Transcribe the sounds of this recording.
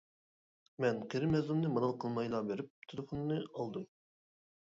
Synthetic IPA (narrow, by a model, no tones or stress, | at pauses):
mɛnqʰeɾɪmɛzlˠɨmnɨmɑnɑlˠqʰəlˠmɑjlˠɑbeɾɪp̚t̪ʰelˠɨfonːɨɑlˠd̪ɨm